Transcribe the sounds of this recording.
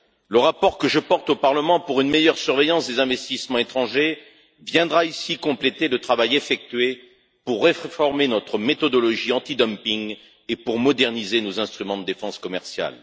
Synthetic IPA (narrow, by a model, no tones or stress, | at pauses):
ləʁapɔʁkəʒəpɔʁt̪opaʁləmɑ̃puʁynmejœʁsyʁvɛjɑ̃sd̪ezɛ̃vɛst̪ismɑ̃et̪χɑ̃ʒe | vjɛ̃d̪ʁaisikɔ̃plet̪elət̪χavajefɛk̚t̪ɥe | puʁːeffɔʁmenɔt̪χəmet̪ɔd̪ɔlɔʒiɑ̃t̪id̪ɔmpiŋ | epuʁmɔd̪ɛʁnizenozɛ̃st̪χymɑ̃d̪əd̪efɑ̃skɔmɛʁsja̰l